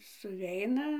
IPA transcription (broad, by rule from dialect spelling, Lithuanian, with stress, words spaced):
sʊˈʋʲɛɪnɐ